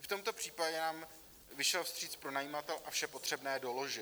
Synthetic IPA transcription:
ft̪o̞mt̪o̞pr̥iːpaɟɛnaːm | vɪʃɛlfst̪r̝̥iːt͡spɾo̞najiːmat̪ɛlʔafʃɛpot̪r̝̥ɛbnɛːdo̞lo̞ʒɪ

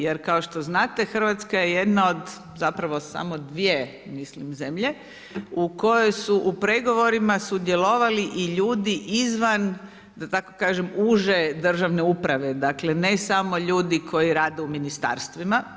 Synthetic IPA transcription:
jeɾkao̞ʃt̪o̞znaːt̪e̞xr̩ʋat̪skaje̞je̞d̪naod̪ | zapɾaʋo̞sa̰mo̞d̪ʋie̞ | mislimzemʎe̞ | uko̞jojsuʔupɾe̞ɡo̞ʋo̞ɾimasud̪jelo̞ʋaliʔiʎuːd̪iʔizʋan | d̪at̪ako̞̥kaːʒemuːʒe̞d̪r̩ʒaʋneupɾaʋe̞d̪akle̞ne̞samo̞ʎuːd̪ikʰo̞jiɾaːd̪euminist̪a̰ːɾst̪ʋima

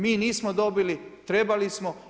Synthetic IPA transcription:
miːniːsmod̪o̞bilit̪ɾe̞balismo

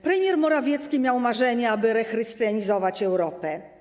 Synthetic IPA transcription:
pɾɛmʲjɛɾmɔɾavʲjɛt̪skʲimʲjawmaʐɛɲɛabɘɾɛxɾɘst̪jaɲizɔvat͡ɕɛwɾɔpɛ

